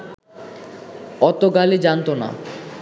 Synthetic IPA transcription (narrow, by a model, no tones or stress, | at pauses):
ɔt̪oɡalid͡ʑant̪ona̰